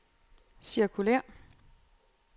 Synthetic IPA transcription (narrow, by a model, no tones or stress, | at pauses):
siɐkʰulɛɐ̰